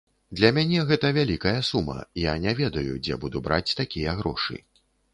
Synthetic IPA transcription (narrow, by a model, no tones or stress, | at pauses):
d̪lʲɐmʲanʲɛɣɛt̪ɐvʲalʲikɐjɐsumɐ̰janʲavʲɛd̪ɐjṵd͡zʲɛ̰bud̪ubɾʔa̰t͡sʲt̪akʲijɐɣɾɔ̰ʂɨ̰